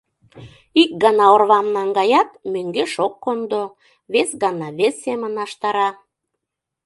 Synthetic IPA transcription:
ik̚ɡɑnɑorβɑmnɑŋɡɑjɑt̪møŋɡeʃokːond̪o | βesɡɑnɑβesːemənɑʃt̪ɑɾɑ

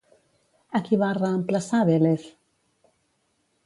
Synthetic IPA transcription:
akiβarəːmplasaβeleθ

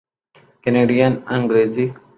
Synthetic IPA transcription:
keneːɖijanɐ̃ŋɡɾezi

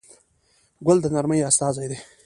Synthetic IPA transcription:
ɡʷʊld̪ənaɾməjast̪ɑzajd̪e

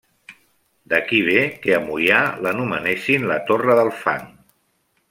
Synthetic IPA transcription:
d̪əkiβ̞ekeəmujalənuməneʃinlət̪orəðəlˠfa̰ŋ

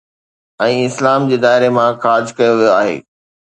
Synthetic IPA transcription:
ɛ̃ːɪslaːmd͡ʑeːd̪aːɦɪɾemãxaːd͡ʑkɐjoʋijoaːɦḛː

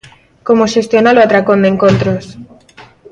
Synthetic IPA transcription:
komoʃest̪jonaloat̪ɾakond̪eŋkont̪ɾos

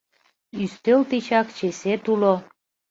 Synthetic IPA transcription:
yst̪elt̪it͡ɕɑkt͡ɕeset̪ulo

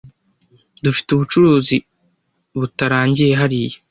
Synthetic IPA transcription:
dufi̥tuβut͡ʃuɾuːzi | βutaɾaːɲɟijeɦaɾije

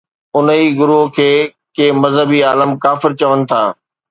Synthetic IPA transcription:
ʊniɡʊɾuɦkʰeː | keːmɐzɦəbiaːləmkaːfɪɾt͡ɕɐʋənɪ̆t̪ʰaː

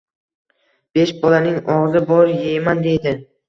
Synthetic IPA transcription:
b̥e̞ʃbɒlanɪŋɒʁzɪbɒɾjejmand̪e̞jd̪ɪ

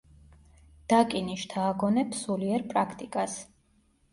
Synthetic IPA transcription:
d̪̥akʼiniʃt̪ʰaːɡɔnɛpʰsuliɛɾpʼɾakʰt̪ʼikʼas

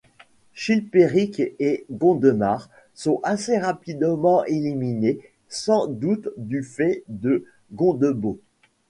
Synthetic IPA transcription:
ʃilpeʁikeɡɔ̃d̪əmaʁ | sɔ̃aseʁapid̪mɑ̃ʔelimine | sɑ̃d̪ut̪d̪yfɛd̪ə | ɡɔ̃d̪əbo

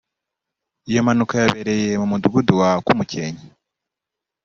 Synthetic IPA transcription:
ijo̞manukajaβeɾe̞je̞mumuduɡuduwakumuceɲi

